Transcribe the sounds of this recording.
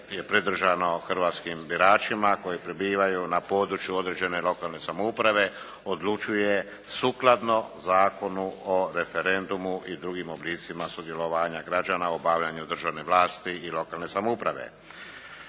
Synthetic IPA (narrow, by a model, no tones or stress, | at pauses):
je̞pɾed̪r̩ʒano̞xr̩ʋaːt̪skimbiɾaːt͡ʃimako̞jipɾebiːʋajunapo̞ːd̪ɾut͡ʃjuo̞d̪ɾed͡ʒe̞ne̞lo̞kaːlne̞samoupɾaʋe̞ | od̪lut͡ʃuje̞ | suːklˠad̪no̞zaːko̞nuoɾe̞fe̞ɾe̞nd̪umuʔid̪ɾuɡimobliːt̪simasud̪je̞loʋaːɲaɡɾad͡ʒaːnaobaːʋʎaɲud̪r̩ʒaʋneʋlaːst̪iilo̞kaːlne̞samoupɾaʋḛ